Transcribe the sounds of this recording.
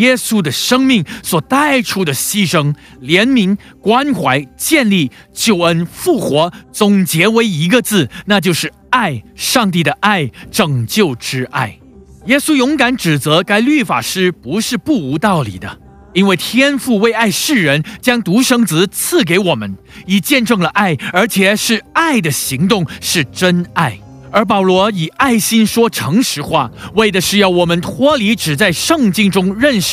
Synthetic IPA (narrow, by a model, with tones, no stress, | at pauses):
jɛ˥su˥d̪ə˨ʂɤ˥ŋmi˥˩ŋswɔ˨˩t̪a˥˩ɪʈ͡ʂʰu˥d̪ə˨ɕi˥ʂɤ˥ŋ | ljɛ˧˥nmi˧˥ŋ | kwa˥nxwa˧˥ɪt͡ɕjɛ˥˧nli˥˩t͡ɕjo˥˩ʊə˥nfu˥˩xwɔ˧˥t͡sʊ˨˩ŋt͡ɕjɛ˧˥we˧˥ɪi˧˥ɡə˧t͡sɹ̩˥˩na˥˧t͡ɕjo˥˧ʊʂɻ̩˥˩ | a˥˩ɪʂɑ˥˧ŋt̪̬i˥˩d̪ə˩ʔa˥˩ɪʈ͡ʂɤ˨˩ŋt͡ɕjo˥˩ʊʈ͡ʂɻ̩˥ʔa˥˩ɪ | jɛ˥su˥jʊ˧˥ŋka˧˥nʈ͡ʂɻ̩˨˩t͡sɤ˧˥ka˥ɪly˥˩fa̰˨˩ʂɻ̩˥pu˧˥ʂɻ̩˥˧pu˥˩u˧˥t̪ɑ˥˩ʊlḭ˨˩d̪ə˦ | i˥nwe˥˩ɪt̪ʰjɛ˥nfu˥˧we˥˧ɪa˥˧ɪʂɻ̩˥˩ɻə˧˥nt͡ɕjɑ˥ŋt̪u˧˥ʂɤ˥ŋt͡sɹ̩˧˥t͡s̩ʰ˥˩k̬e˧˥ɪwɔ˨˩mə˦n | i˨˩t͡ɕjɛ˥˧nʈ͡ʂɤ˥˩ŋlə˩ʔa˥˩ɪə˞˧˥t͡ɕʰjɛ˨˩ʂɻ̩˥˧a˥˩ɪd̪ə˩ɕi˧˥ŋt̪ʊ˥˧ŋʂɻ̩˥˩ʈ͡ʂə˥na˥˩ɪ | ə˞˧˥pɑ˨˩ʊlwɔ˧˥i˨˩a˥˩ɪɕi˥nʂwɔ˥ʈ͡ʂʰɤ˧˥ŋʂɻ̩˧˥xwa̰˥˩we˥˩ɪd̪ə˩ʂɻ̩˥˧jɑ˥˩ʊwɔ˨˩mə˧˦nt̪ʰwɔ˥li˧˥ʈ͡ʂɻ̩˨˩t͡sa˥˧ɪʂɤ˥˧ŋt͡ɕi˥˧ŋʈ͡ʂʊ˥ŋɻə˥˩nʂ̩˥˩